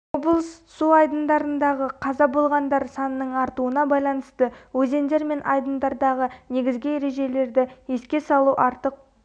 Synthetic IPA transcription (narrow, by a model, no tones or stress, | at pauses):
woblˠssuɑjd̪ənd̪ɑɾənd̪ɑʁəqʰɑzɑbolˠʁɑnd̪ɑɾsɑnəːəɴɑɾt̪uənɑbɑjlˠɑnəst̪əwɵze̞nd̪e̞ɾme̞nʔɑjd̪ənd̪ɑɾd̪ɑʁəne̞ɡʲɪzɡʲɪe̞ɾe̞ʒe̞le̞ɾd̪ɪeskʲe̞sɑlˠuʔɑɾt̪əq̚